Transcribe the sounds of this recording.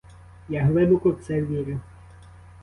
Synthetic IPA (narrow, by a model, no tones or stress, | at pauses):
jaɦlˠɪbʊkʊwt̪sɛʋʲiɾʲɪ